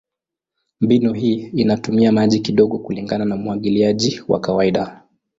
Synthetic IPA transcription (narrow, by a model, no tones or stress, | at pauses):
mbinɔɦiːinatumiamaʄikiɗɔɠɔkuliŋɡananamuwaɠiliaʄiwa̰kawaiɗa